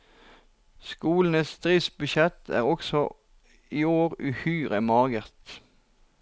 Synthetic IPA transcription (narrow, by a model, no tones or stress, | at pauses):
skuːln̩əst̪ʁiːsbʉʃɛt̪ʰæ̰ːʁɔksɔ | iːoːʁʉhyːʁəmɑːɡəʁt̪